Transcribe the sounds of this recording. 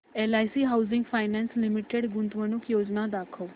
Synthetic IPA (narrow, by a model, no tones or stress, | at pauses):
eːlaːisiːɦaːʊzɪŋɡpʰaːɪnɛ̃ːnslɪmɪʈeɖɡʊnt̪ʋənʊkjoːd͡ʒnaːd̪aːkʰoː